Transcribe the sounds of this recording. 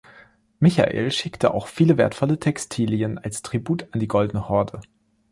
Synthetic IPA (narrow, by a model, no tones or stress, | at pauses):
mɪça̰ʔḛːlʃɪktʰəʔa̰ʊxfiːləveːɐtfɔlətʰɛkstʰiːljənalstʁ̥ibuːtandiːɡɔldənəhɔɐdə